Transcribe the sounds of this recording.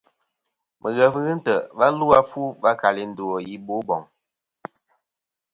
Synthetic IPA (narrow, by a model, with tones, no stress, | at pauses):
mʔə˨ɣə˨və˦ɣə˦n̩˦tə˨va˦lu˦a˦fu˦va˦ka˨li˦n̩˨do˨ɔ˨ji˦bo˦bɔ˨ŋ